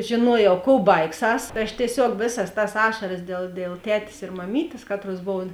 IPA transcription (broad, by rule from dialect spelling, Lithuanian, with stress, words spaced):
ʒʲeːˈnuɔjɛʊ koːʊ ˈbɐɪkˌsɐs tɐɪ ˈɐʃ tʲiɛˈsʲoːk ˈʋʲeːˌsɐs tɐs ˈɑːʃɐrɐs dʲeːlˠ dʲeːlˠ ˈtʲæːtʲeːs ɪr mɐˈmʲiːtʲeːs ˈkɑːtˌruɔs ˈboːw